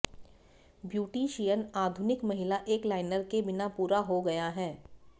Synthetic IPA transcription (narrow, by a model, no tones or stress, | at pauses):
bjuːʈiʃijənaːd̪ʱʊnɪkmɐɦɪlaʔeːklaːɪnəɾkebɪnapuːɾaɦoɡɐjaɦɛː